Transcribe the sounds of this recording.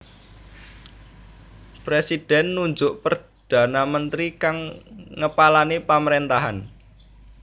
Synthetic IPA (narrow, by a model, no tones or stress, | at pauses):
pɾesid̥ɛnːuɲd͡ʒʊʔpər | d̪̥a̤namənt̪ɾikaŋŋəpalanepaməɾent̪aɦan